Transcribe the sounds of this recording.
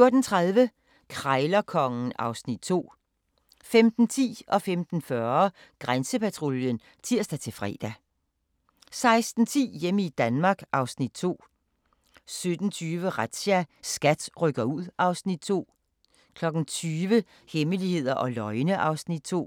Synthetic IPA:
jo̝ɐd̥n̩t͡sʰʁaðˠʋə | kʰʁɑɪlɐkʰɒ̽ŋn̩ɑ̈ʊsnid̥̚t͡sʰo̝̰ː | femd̥n̩t͡sʰḭːʔɒ̽femd̥n̩fɶɐ | ɡ̥ʁansəpʰæt͡sʰʁo̝ljən | t͡sʰiɐ̰sd̥æt͡sʰe̝lfʁɛ̰ːd̥æ | sɑ̈ɪsd̥n̩t͡sʰḭːjeməid̥ænmɑ̈ːɡ̥ʔɑ̈ʊsnid̥̚t͡sʰo̝̰ː | sød̥n̩t͡sʰyːʋəʁad̥ɕæsɡ̥æd̥ʁœɡ̥ɐuð̰ˠʔɑ̈ʊsnid̥̚t͡sʰo̝̰ː | kʰlɒ̽ɡ̥n̩t͡sʰyːʋə | heməlihe̝ð̰ˠɐʔɒ̽lɒ̽ɪnəʔɑ̈ʊsnid̥̚t͡sʰo̝̰ː

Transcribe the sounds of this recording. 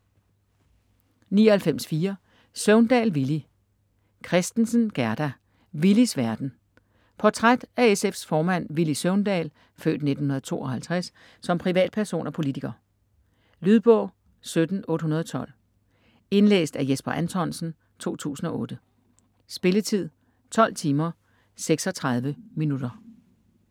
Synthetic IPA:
niːɒhælfem̰sfiːɐ | søʊnd̥ɛ̰ːlʋili | kʰʁɛsd̥n̩sən̩ɡ̥æɐd̥æ | ʋilisʋæɐd̥n̩ | pʰɒt͡sʰʁad̥æesefsfɒːmæn̰ʋilisøʊnd̥ɛ̰ːl | fø̰ːd̥nedn̩hunɐð̞̩ˠt͡sʰo̝̰ːʔɒ̽hælt͡sʰʁas | sɒ̽mpʰʁiʋɛ̰ːd̥̚pʰæɐso̝̰ːnɒ̽pʰo̝lit͡sʰiɡ̥ɐː | lyðˠb̥ɔ̽ʊ̰ | sød̥n̩ɔ̽ːd̥ɦunɐð̞ˠɒt͡sʰɒ̽l̰ | e̝nlḛːsd̥æjesb̥ɐʔænt͡sʰɒn̰sn̩ | t͡sʰo̝̰ːt͡sʰṵːsn̩ɒ̽ʔɔ̽ːd̥ə | sb̥e̝lət͡sʰið̞̰ˠ | t͡sʰɒ̽l̰t͡sʰiːmɐ | seɡ̥sɒ̽t͡sʰʁɑ̈ð̞ˠʋəminud̥ɐ

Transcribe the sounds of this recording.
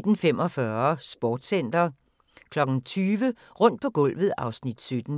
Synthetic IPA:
d̥n̩fem̰ɒ̽fɶɐsb̥ɒːd̥sen̰d̥ɐ | kʰlɒ̽ɡ̥n̩t͡sʰyːʋə | ʁɔ̽n̰d̥̚pʰɒ̽ɡ̥ɔ̽l̰ʋð̞̩ˠɑ̈ʊsnid̥sød̥n̩

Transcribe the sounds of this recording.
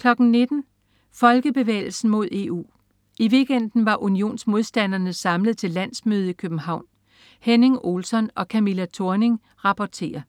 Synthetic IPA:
kʰlɒ̽ɡ̥n̩ne̝d̥n̩ | fɒ̽lɡ̥əb̥e̝ʋḛːɪl̩sn̩mo̝ð̞̰ˠe̝ːṵː | iʋe̝ɡ̥en̰d̥n̩ʋɑ̈ʔunio̝̰ːnsmo̝ð̞ˠsd̥ænɐnəsɑ̈mləð̩ˠt͡sʰe̝lːæn̰smøːð̞ˠikʰøb̥m̩hɑ̈ʊ̰n | hene̝ŋo̝lsɒ̽nɒ̽kʰæmilæt͡sʰo̝ɐne̝ŋ | ʁɑ̈pʰɒt͡sʰe̝̰ːɐ

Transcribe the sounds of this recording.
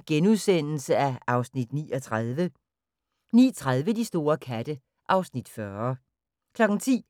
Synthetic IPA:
ɡ̥enuðˠsen̰l̩səæɑ̈ʊsnid̥nḭːɒt͡sʰʁaðˠʋə | nḭːt͡sʰʁað̞ˠʋəd̥isd̥o̝ːɐkʰæd̥ə | ʔɑ̈ʊsnid̥fɶɐ | kʰlɒ̽ɡ̥n̩t͡sʰḭː

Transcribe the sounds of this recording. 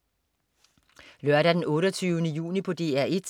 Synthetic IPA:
lɶɐɾæd̥enɔ̽ːɾɒt͡sʰyːʊənəjṵːnipʰɒ̽d̥e̝̰ːæɐ̰ʔe̝d̥

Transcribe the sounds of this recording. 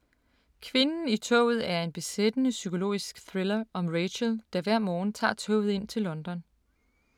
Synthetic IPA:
kʰʋe̝nn̩it͡sʰɔ̰ʊ̰ð̞̩ˠæɐe̝nb̥e̝sed̥ənəsykʰo̝lo̝̰ːisɡ̥θʁelɐɒ̽mʁeɕəld̥ɑ̈ʋæɐ̰mɒːnt͡sʰɑ̰̈ːt͡sʰɔ̰ʊð̞̩ˠe̝n̰t͡sʰe̝lːɒ̽nd̥ɒ̽n

